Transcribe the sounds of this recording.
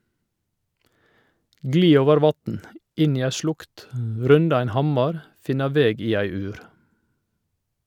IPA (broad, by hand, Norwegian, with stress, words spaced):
ˈɡliː ˈoːʋəɾ ˈʋɑtn̩ ˈɪn ˈiː ˈæ ˈʃlʊkt ˈɾʉndɑ ˈɛn ˈhɑmɑɾ ˈfɪnɑ ˈʋeːɡ ˈiː ˈæɪ ˈʉːɾ